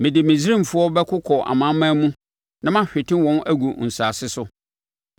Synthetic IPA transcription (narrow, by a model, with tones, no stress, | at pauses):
mɪ̃˨dɪ˨mɪ̃˨d͡zi˦ɾĩ˦˨m˨fʊ˦ɔ˦bɛ˦kʰʊ˦kʰɔ˨ʔa̰˨mã˨˦mãː˦mũ˦ | nã˦mã˦ɕᶣɪ˨tʰɪ̃˦wɔ̃˦n˦æ˦ɡu˨n̩˨saː˨sɪ˦sʊ˦